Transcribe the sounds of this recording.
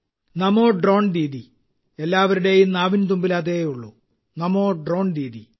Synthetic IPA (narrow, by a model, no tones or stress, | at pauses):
nɐmo̞ːɖro̞ːɳɾiːði | elːaːʋɐɾuɽe̞junaːʋint̪̬umbilaːðejuɭːu | nɐmo̞ːɖro̞ːɳɾiːði